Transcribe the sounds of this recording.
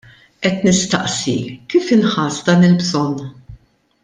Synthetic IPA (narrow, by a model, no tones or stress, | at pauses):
ʔɛt̪nɪst̪ɐ̰ʔsikiːfɪnħɐːsd̪ɐːnɪlbzɔnː